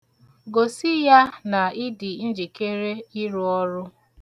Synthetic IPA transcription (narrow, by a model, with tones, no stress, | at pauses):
ɡo˨si˦ja˦na˨ɪ˦di˨n̩˦d͡ʒi˨ke˦ɾe˦i˦ɾu˦ɔ˦ɾʊ˦